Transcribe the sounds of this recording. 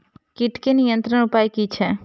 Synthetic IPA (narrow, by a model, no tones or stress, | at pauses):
kiʈkenijənt̪ɾənupajkit͡ʃʰe